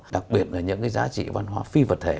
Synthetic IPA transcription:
ɗa˨˩k̚ɓi˨˩ət̚laː˨˩ɲɨ̰˧˥ŋkaː˨˦jzaː˨˦t͡ɕḭ˧˨va˧nɦwaː˨˧˦fi˧və˨˩t̚t̪ʰe˧˩

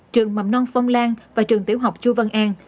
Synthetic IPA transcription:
t͡ɕɨ˨˩əŋma˨˩wnɔ˧nfə˧wŋ͡mlaː˧ŋvaː˨˩t͡ɕɨ˨˩əŋt̪i˧˦əwɦa˨˩wk͡p̚t͡ɕu˧və˧nʔaː˧n

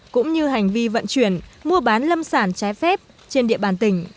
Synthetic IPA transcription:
kʊ̰˧˥ŋ͡mɲɨ˧ɦa˨˩jŋ̟vi˧və̰˧˨nt͡ɕwi˧˩ənmu˧əɓaː˨˦nlə˧msaː˧˩nt͡ɕaː˨˦jfɛ˦˥p̚ | t͡ɕe˧nɗḭ˧˨əɓaː˧˩nt̪ï˧˩ŋ̟

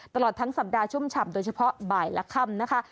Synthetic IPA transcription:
t̪a˧lɔː˨˩t̪ʰːa˦˥ŋsa˨˩p̚daː˧t͡ɕʰu˥˩˨mt͡ɕʰa˨˧˩mdoː˧jt͡ɕʰa˧pʰɔ˦˥baː˨˩jlɛ˦˥kʰa˥˩mna˦˥kʰa˦˥

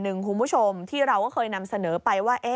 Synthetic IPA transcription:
nɯ˨˩ŋkʰu˧nbu˦˥˩t͡ɕʰo˧mt̪ʰiː˥˩ɾa˧wkɔː˥˩kʰɤː˧jna˧msa˧nɤː˩˦pa˧jwaː˥˩ʔe˦˥

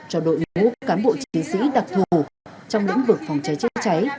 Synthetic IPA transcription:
t͡ɕɔ˧ɗo̰˧˨jmṵ˧˥kkaː˨˦nɓo̰˧˨t͡ɕi˨˦sḭ˧˥ɗa˨˩k̚t̪ʰu˨˩t͡ɕɔ˧wŋ͡mlḭ˧˥ŋvɨ˨˩k̚fwŋ͡mt͡ɕa˨˦jt͡ɕa˧˥t͡ɕa˨˦j

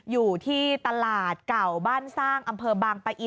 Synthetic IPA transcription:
juː˨˩t̪ʰiː˥˩t̪a˧laː˨˩t̪̚ka˨˩wbaː˥˩nsaː˥˩ŋʔa˧mpʰɤː˧baː˧ŋpa˧ʔi˧

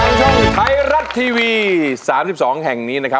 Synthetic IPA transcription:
a˧ŋka˧nt̪ʰa˧jɾa˦˥t̪ʰːiː˧wiː˧saː˩˦msi˨˩p̚sɔː˩˦ŋɦɛ˨˩ŋniː˦˥na˦˥kʰa˦˥

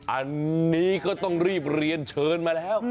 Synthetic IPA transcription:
ʔa˧nːiː˦˥kɔː˥˩t̪ɔ˥˩ŋɾiː˥˩p̚ɾi˧ənt͡ɕʰɤː˧nmaː˧lɛː˦˥w

